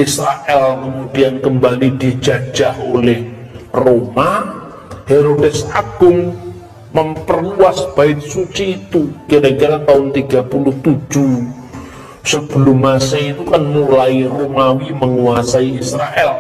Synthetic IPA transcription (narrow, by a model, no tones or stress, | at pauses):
isɾaʔɛlkəmudiankəmbalidid͡ʒad͡ʒaʔolɛhroma | heɾodɛsaɡ̥ʊŋ | məmpərluasb̥aɪt̪̚sut͡ʃiːt̪ukiɾakiɾat̪aɦʊnt̪iɡapulʊht̪ud͡ʒu | səb̥əlʊmːasait̪ukanmulairomawiməŋuasaiisɾaʔɛl